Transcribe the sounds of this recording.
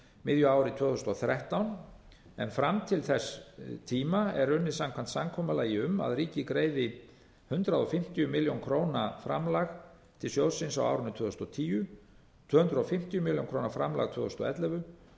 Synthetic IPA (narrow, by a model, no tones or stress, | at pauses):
mɪðjʏaːwɾɪt̪ʰvœːðθʏst̪ɔθɾɛht̪awn | ɛ̰nfɾamt̪ʰɪlθɛst̪ʰiːmaɛɾʏnːɪsamkʰvant̪samkʰɔːmalaːjɪʏma̰ðɾiːcɪkɾeːjðɪ | hʏnt̪ɾaðɔfɪm̥t̪ijʏmɪljowŋkʰɾoːwnafɾa̰mlaɣ | t̪ʰɪlsjowsɪnsawa̰wɾʏnːʏt̪ʰœːðθʏst̪ɔt̪ʰiːjʏ | t̪ʰvœːhʏnɾʏɔfɪm̥t̪jʏmɪljo̰wŋkɾoːwnafɾamla̰ɣt̪ʰvœːðθʏst̪ɔ̰ɛt̪lɛvʏ